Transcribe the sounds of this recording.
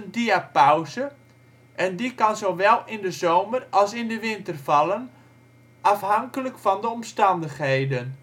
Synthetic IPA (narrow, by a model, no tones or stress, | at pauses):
əndiapawzə | ʔɛndikɑnzowʋɛlˠɪndəzoːmərɑlˠsɪndəʋɪntərvɑlˠən | ʔafɦaŋkələkfɑndəɔmstɑndəxɦejdən